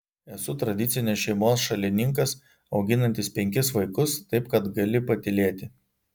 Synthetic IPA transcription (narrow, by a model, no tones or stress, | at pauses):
ɛsʊt̪ɾɐd̪ʲɪt̪sʲɪnʲɪsʃʲɛɪmoːsʃɐlʲɪnʲɪŋkɐs | ɒʊɡʲɪnɐnʲt̪ʲɪspʲɛŋʲkʲɪsʋɐɪkʊst̪ɐɪpkɐt̪ɡɐlʲɪpɐt̪ʲɪlʲeːt̪ʲɪ